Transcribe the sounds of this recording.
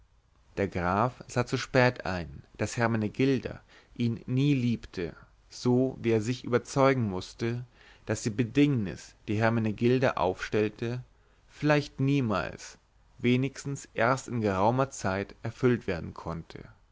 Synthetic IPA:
d̥eːɐɡʁaːfz̥aːt͡suʃpɛːtʔa̰ɪnd̥ashɛɐmanəɡɪldɐ̰ | ʔiːnːiːliːptʰə | z̥oːviːeːɐzɪçʔy̰ːbɐt͡sɔʏɡŋ̩mʊstə | d̥asd̥iːbədɪŋnɪ̰sd̥iːɦɛɐmaneɡɪldɐʔa̰ʊfʃtɛltʰə | fɪlaɪçtniːma̰ːls | veːnɪçstn̩sʔeːɐstɪnɡəʁaʊmɐt͡saɪtʔɛɐfʏltv̥eːɐdn̩kʰɔntʰə̰

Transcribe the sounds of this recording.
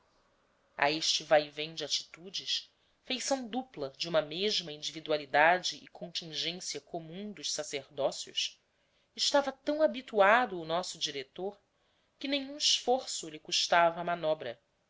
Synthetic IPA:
a̰eʃt͡ʃɪvajvẽd͡ʒɪat͡ʃi̥t̪ud͡ʒɪʃ | fejsɐ̃w̃d̪uplɐd͡ʒɪũmɐmeʒmɐĩnd͡ʒivid̪ualid̪ad͡ʒɪʔɪkʰõnt͡ʃĩŋʒẽsiɐkomũd̪ʊʃsaseɾd̪ɔsjʊ̰ʃ | ɪʃt̪avɐt̪ɐ̃w̃abit̪uad̪ʊːnɔsʊd͡ʒiɾet̪oɾ | kɪnẽɲũɪʃfoɾsʊlɪkuʃt̪avɐːmanɔbɾɐ

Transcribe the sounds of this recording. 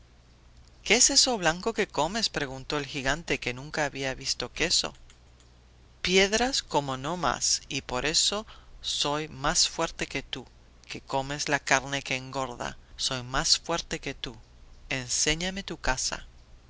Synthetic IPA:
keese̞so̞βlaŋko̞ke̞ko̞me̞spɾe̞ɣunt̪o̞elxiɣant̪e̞ke̞nũŋkaːβiaβist̪o̞ke̞so̞̰ | pje̞ðɾasko̞mo̞no̞ma̰sipo̞ɾʔe̞so̞so̞jmasfwe̞ɾt̪e̞ke̞t̪u | ke̞ko̞me̞zlakaɾne̞keːŋɡo̞ɾða̰so̞jmasfweɾt̪e̞ke̞t̪u | e̞nse̞ɲame̞t̪ukasa̰

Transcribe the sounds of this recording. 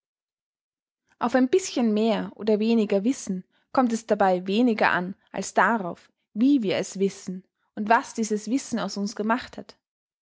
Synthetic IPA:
ʔaʊfaɪnbɪsçənmeːɐʔo̰ːdɐveːnɪɡɐvɪsn̩ | kʰɔmt̬ɛsd̥abaɪveːnɪɡɐ̰ʔa̰nʔa̰lsd̥aʁaʊf | viːviːɐɛsv̥ɪsn̩ | ʔʊntv̥asd̥iːzəsv̥ɪsn̩aʊsʊnsɡ̥əmaχthat

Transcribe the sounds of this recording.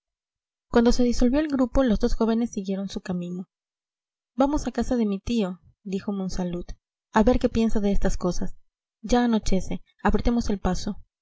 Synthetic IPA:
kwand̪o̞se̞ðiso̞lβjo̞elɡɾupo̞lo̞zðo̞sxo̞βene̞sːiɣje̞ɾo̞nsukamĩno̞ | bamo̞sakasaðe̞mit̪io̞ | d̪ixo̞monsalut̪ | aβe̞ɾke̞pje̞nsaðeest̪asko̞sas | d͡ʒaːno̞t͡ʃe̞se̞ | apɾet̪e̞mo̞se̞lpaso̞

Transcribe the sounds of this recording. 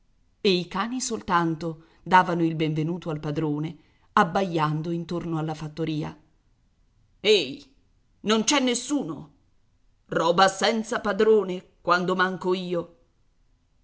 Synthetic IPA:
eikaːnisolt̪ant̪o | d̪aːvanoilbeɱvenuːt̪oalpad̪ɾoːne | abːajːand̪oint̪ornoalːafat̪ːoɾiːa̰ | ej | nont͡ʃɛnːesːuːno | rɔːbasɛnt̪sapad̪ɾoːnekwand̪omaŋkoiːo

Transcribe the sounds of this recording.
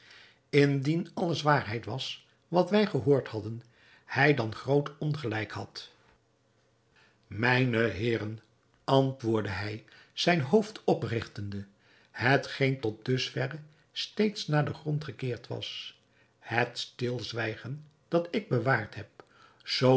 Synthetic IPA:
ɪndinɑləzʋaːɹɦɛjtʋɑs | ʋɑtʋɛjχəɦoːɹthɑdən | hɛjdɑnχrowtɔnχəlɛjkhɑt | mɛjnəɦɪːrən | ɑntʋʊːɹdəɦɛj | z̥ɛjnɦowftɔprɪχtəndə | hətχejntɔt̚dɵsfɛrə | stejtsnaːɹdəχrɔntχəkɪːɹtʋɑ̰s | hətstɪlˠzʋɛjχən | d̥ɑtɪɡ̚bəʋaːɹtɦɛp̚ | z̥o

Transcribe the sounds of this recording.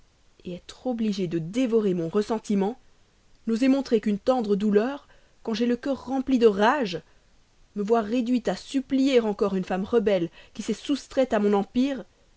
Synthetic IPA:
eɛt̪χɔbliʒed̪əd̪evɔʁemɔ̃ʁəsɑ̃t̪imɑ̃ | nozɛmɔ̃t̪χekynt̪ɑ̃d̪ʁəd̪ulœʁ | kɑ̃ʒeləkʲœʁːɑ̃plid̪əʁaʒ | məvwaʁːed̪ɥit̪asyplijeʁɑ̃kɔʁynfamʁəbɛlkʲisɛsust̪χɛt̪amɔ̃nɑ̃piːʁ

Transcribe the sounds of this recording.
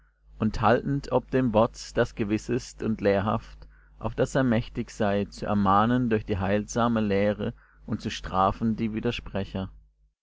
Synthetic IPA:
ʔʊnthaltn̩tʰɔp̚d̥eːmvɔɐt͡sd̥asɡ̥əvɪsɪstʊntleːɐɦa̰ft | ʔaʊfd̥aseːɐmɛçtɪçz̥aɪt͡suʔɛɐmaːnəndʊɐçd̥iːɦaɪlzaːməleːʁə | ʔʊnt̚t͡suʃtʁ̥aːfn̩diːviːdɐʃpʁ̥ɛçɐ

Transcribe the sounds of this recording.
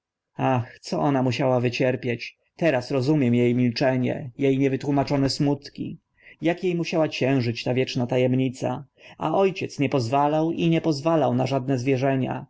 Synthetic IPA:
axt̪sɔʔɔnamuɕawavɘt͡ɕɛɾpʲjet͡ɕ | t̪ɛɾasɾɔzumʲjɛmjejmʲilt͡ʂɛɲɛ̰jejɲɛvɘt̪wumat͡ʂɔnɛsmut̪kʲḭ | jakjejmuɕawat͡ɕɛ̃w̃ʐɘt͡ɕt̪avʲjɛt͡ʂnat̪ajɛmɲit̪sa̰ | a̰ʔɔjt͡ɕɛt̪sɲɛpɔzvalawʔiɲɛpɔzvalawnaʐad̪̚nɛzvʲjɛʐɛɲa̰

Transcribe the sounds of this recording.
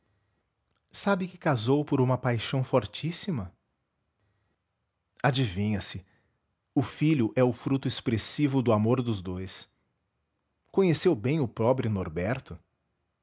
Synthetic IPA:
sabɪkɪkazowpʊɾũmɐpajʃɐ̃w̃fɔɾt͡ʃisimɐ | ad͡ʒivĩɲɐsɪ | ʊfiʎʊʔɛʊfɾut̪ʊespɾesivʊd̪ʊamoɾd̪ʊzd̪ojs | kõɲesewbẽj̃ʊpɾɔbɾʊnoɾbɛɾt̪ʊ

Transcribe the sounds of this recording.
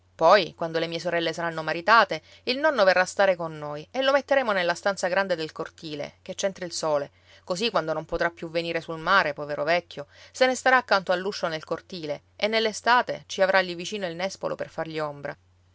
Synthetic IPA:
pɔjkwand̪olemiːes̬oɾɛlːesaɾanːomaɾit̪aːt̪e | ilnɔnːoverːast̪aːɾekonːoːjelːomet̪ːeɾeːmonelːast̪ant̪saɡɾand̪ed̪elkort̪iːlḛket͡ʃːɛnt̪ɾailsoːle | kosikwand̪onompot̪ɾapːjuvːeniːɾesulmaːɾepɔːveɾovɛkːjosenest̪aɾaːkːant̪oalːuʃːonelkort̪iːle | enːelːest̪aːt̪ḛt͡ʃiavɾʔalʎːivit͡ʃiːnoilnɛspo̰lʔo̰perfarʎiombɾa̰

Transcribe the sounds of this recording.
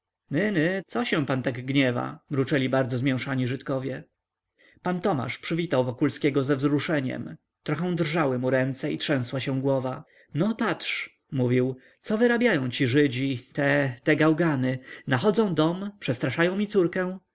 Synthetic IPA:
nɘnɘt̪sɔɕɛ̃pant̪aɡɡɲɛva̰mɾut͡ʂɛlʲibaɾd̪zɔzmʲjɛ̃w̃ʂaɲiʐɘt̪kɔvʲjɛ | pant̪ɔma̰ʂpʂɘvʲit̪awvɔkulskʲɛɡɔzɛvzɾuʂɛɲɛ̰m | t̪ɾɔxɛ̃w̃d̪rʐawɘmuɾɛnt̪sɛitʂɛ̃w̃swaɕɛ̃w̃ɡwɔva | nɔpatʂ | muvʲiw | t̪sɔvɘɾabʲjajɔ̃w̃t͡ɕiʐɘd͡ʑit̪ɛt̪ɛɡawɡanɘnaxɔd̪zɔ̃w̃d̪ɔmpʂɛst̪ɾaʂajɔ̃w̃mʲit̪suɾkɛ̃w̃

